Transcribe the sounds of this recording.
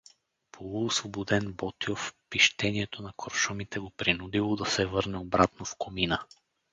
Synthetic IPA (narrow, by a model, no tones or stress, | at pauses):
pʰolˠuːsvobod̪ɛnbɔt̪iofpiʃt̪ɛniɛt̪onɐkoɾʃɔmit̪ɛɡopɾinud̪ilˠod̪ɐsɛvɤɾnɛobɾat̪nofkominə